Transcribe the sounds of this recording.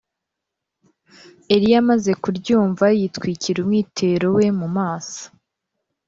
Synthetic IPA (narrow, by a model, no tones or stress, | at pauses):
eɾijamaze̞kuɾɟuːɱvajitkwiːciɾumŋiːtʰe̞ɾo̞we̞mumaːsḁ